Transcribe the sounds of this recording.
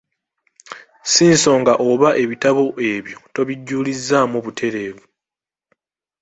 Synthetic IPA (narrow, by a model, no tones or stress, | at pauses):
siːnso̞ːŋɡaʔo̞βaʔe̞βitaβo̞ʔe̞βjo̞to̞βiɟːuːlizːaːmoβutʰe̞ɾe̞ːvu